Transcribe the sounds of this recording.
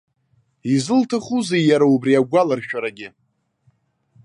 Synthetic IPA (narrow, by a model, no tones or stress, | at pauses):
izɨltʰaχuzejjaɾaubriaɡʷalarʃᶣaɾaɡʲɪ